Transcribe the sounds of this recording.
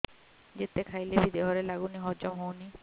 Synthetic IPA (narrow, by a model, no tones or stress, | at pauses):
d͡ʑet̪ekʰajlebid̪eɦɔɾelaɡuniɦɔɾd͡ʒɔmɦowni